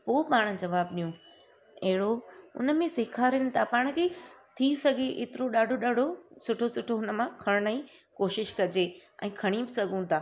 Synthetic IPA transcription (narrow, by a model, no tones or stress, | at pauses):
poːpaːɽ̃̆d͡ʑɐʋaːbɗijũ | ɐɦɪɽoʊ̰nə̆mẽsɪːkʰaːɾɪnɪ̆t̪ʰapaːɽ̃kʰeːt̪ʰisɐɡʱeʔḛːt̪ɪɾoɗaːɖʱoɗaːɖʱosʊʈʰosʊʈʰoʊnə̆mãkʰɐɽ̃nəĩ | koːʃɪʃkɐd͡ʑeɛ̰̃ːkʰɐɽ̃ibɪsɐɡʱũt̪ʰaː